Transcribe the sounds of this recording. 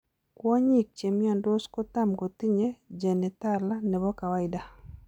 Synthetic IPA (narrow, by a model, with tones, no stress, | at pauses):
kwɔ˦ɲi˦k̚t͡ʃe˨mi˦a˨ndo˦sko˦t̪a˦mɡo˨t̪i˦ɲe˦d͡ʒɛ˨nɛ˨t̪a˦˨la˦nɛ˨βɔ˦ka˨wa˦ɪ˦da˨